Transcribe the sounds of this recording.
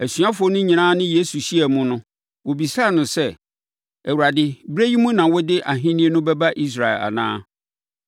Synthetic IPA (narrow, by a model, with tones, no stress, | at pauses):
æ˨sɥa˦fʊ˨ɔ˦nʊ̃˦ɲĩ˨ãː˦nɪ̃˦je˦su˨ɕi˦æ˨mũ˦nʊ̃˦ | wo˨bi˨sa˦˨nʊ̃˨sɛ˦ | æ˨wu˨ɾa˨dɪ˦bɾe˦ji˦mũ˦nã˨wɔ˦dɪ˦ʔa˨ɦɪ̃˦nĩ˦e˦nʊ̃˦bɛ˦ba˦ʔi˦s̬ɾa˨ɛ̰˨la̰˨nã̰ː˦